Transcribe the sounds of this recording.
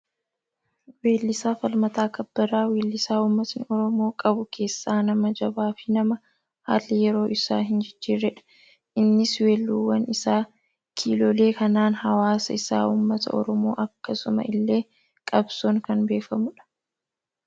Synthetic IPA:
weːlːɪsaːfɐlmɐt̪aːkɐbːɐɾaːweːlːɪsaːuːmːɐt̪nɪɔɾɔmo̞ːkʼɐbʊkʰe̞ːsːaːnɐmɐd͡ʒɐbaːfɪnɐmɐ | ha̰ːlːɪjɛɾo̞ːʔɪsaːɦɪnd͡ʒɪd͡ʒːiːɾɛᶑɐ̥ | ʔɪnːɪswe̞ːlːuːwːɐnɪsaː | kʰiːloːleːkɐnaːnhɐwaːsɐɪsa̰ːʔuːmːɐt̪ɐ̰ʔɔ̰ɾɔmo̞̰ːʔɐkːɐsʊmɐ̰ʔɪlːe̞ː | kʼɐbsoːŋkɐnbe̞ːfɐmʊᶑɐ̥

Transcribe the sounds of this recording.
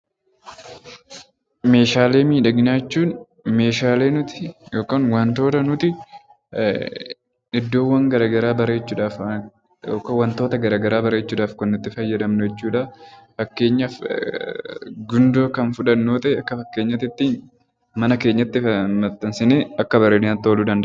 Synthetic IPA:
me̞ːʃaːle̞ːmiːᶑɐɡɪnaːt͡ʃːuːn | me̞ːʃaːle̞ːnʊt̪ɪ̥joːkaːnwɐnt̪o̞ːt̪ɐnʊt̪ɪ | ɪd̪ːo̞ːwːɐŋɡɐɾaːɡɐɾaːbɐɾe̞ːt͡ʃːuːᶑaːf | oːkɐwɐnt̪oːt̪ɐɡɐɾaːɡɐɾaːbɐɾe̞ːt͡ʃːuːᶑaːfkɐnːʊt̪ːɪfɐjːɐd̪ɐmnɔjɛt͡ʃːuːᶑɐfɐkːe̞ːɲːɐf | ɡʊnd̪o̞ːkɐnfʊᶑɐnːoːt̪ɐʔɛɐkːɐfɐkːeːɲːɐt̪ɪt̪ːiːn | mɐnɐke̞ːɲːɐt̪ːɪfɐmɐt̪ːɐnsɪneːɐkːɐbɐɾeːnɪnɐt̪ːo̞ːluːd̪ɐnd̪ɐ

